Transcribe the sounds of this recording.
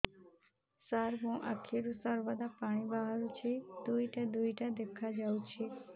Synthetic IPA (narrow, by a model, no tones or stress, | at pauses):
saɾɦũʔakʰeɾũsəɾʋad̪apaɽ̃ibaɦɾut͡ʃʰed̪uiʈad̪uiʈad̪ekʰad͡ʒaut͡ʃʰe